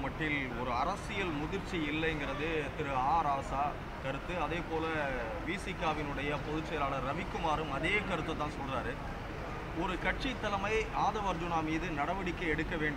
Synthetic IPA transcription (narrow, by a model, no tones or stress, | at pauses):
mɐʈːɪlɔɾɯɐɾɐsɪjɐlmʊðɪɾt͡ʃːiɪlːɐɛŋɡɪɾɐðɯt̪ɪɾɯaːɾaːsaː | kɐɾɯt̪ːɯɐðeːpoːlɐ | ʋiːsɪkːaːʋɪnɯɽɐjɐpɔðɯʈt͡ʃːɐjɐlaːɭɐɾːɐʋɪkːɯmaːɾɯmɐðeːkɐɾɯt̪ːɐt̪ːãːnsɔlːraːɾɯ | ɔɾɯkɐʈ̚t͡ʃit̪ːɐlɐmɐɪaːðɐʋɐɾd͡ʒʊnaːmiːðɯnɐɽɐʋɐɽɪkːɐɛɽɯkːɐʋeːɳɖɯ